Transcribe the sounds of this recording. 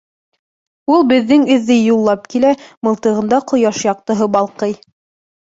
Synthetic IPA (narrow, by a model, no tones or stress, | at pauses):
ulˠbɘ̆ðːɘŋɵ̆ðːɘjulˠːɑp̚kilæmɤ̆lˠt̪ɤ̆ʁɤ̆nd̪ɑqʰŏjɑʃjɑq̚t̪ɤ̆ɦɤbɑlˠqɤj